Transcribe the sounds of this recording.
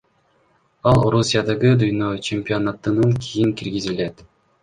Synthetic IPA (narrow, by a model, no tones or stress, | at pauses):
ɑlˠɾusʲijad̪ɑɡɯd̪ujnot͡ɕemʲpʲio̞nat̪ɯnɯŋkʲʰijiŋkiɾɡizilet̪